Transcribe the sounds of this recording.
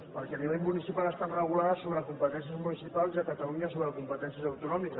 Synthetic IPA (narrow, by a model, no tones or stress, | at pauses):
pəɾkɛniβeʎmunisipalˠəst̪at̪rəɣ̞ulaðəsoβɾəkumpət̪ɛnsiəzmunisipalˠziəkət̪əluɲəisoβɾəəkumpət̪ɛnsiəzəwt̪unɔmikə